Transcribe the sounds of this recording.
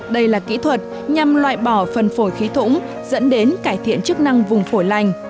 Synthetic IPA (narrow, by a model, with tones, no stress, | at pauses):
ɗə˧jlaː˨˩kḭ˧˥t̪ʰwə˨˩t̚ | ɲa˨˩mlwa̰ː˧˨jɓɔ˧˩fə˨˩nfo˧˩jxi˨˦t̪ʰʊ̰˧˥ŋ͡m | zə̰˧˥nɗe˨˦nkaː˧˩jt̪ʰḭ˧˨ənt͡ɕɨ˦˥k̚na˧ŋvʊ˨˩ŋ͡mfo˧˩jla˨˩jŋ̟